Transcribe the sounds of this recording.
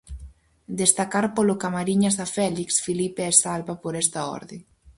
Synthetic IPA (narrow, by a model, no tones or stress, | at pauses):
d̪est̪akaɾpolokamaɾiɲazðafɛliksfilipeɛsalβapoɾɛst̪aɔ̰ɾðe